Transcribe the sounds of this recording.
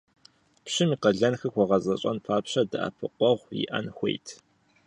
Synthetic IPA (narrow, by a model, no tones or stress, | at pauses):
pɕɪmiːqɐɮɐnxɨxʷɔʁɐzʼɐɕʼɐ̰npʰaːpɕɐdɨʔa̰pʰɨqʷɔʁʷjḭʔɐ̰nxʷḛjtʰ